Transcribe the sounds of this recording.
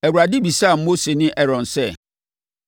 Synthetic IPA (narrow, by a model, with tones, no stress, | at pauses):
ɛ˨wu˨ɾa˨dɪ˦bi˨sa˦˨m̩˦mo˦se˨nɪ̃˦ʔɛ˦ɾɔ̃˨nsɛ˦˨